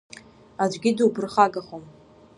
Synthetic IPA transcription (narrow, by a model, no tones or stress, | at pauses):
ad͡ʒʷɡʲiduwbɨrχaɡaχom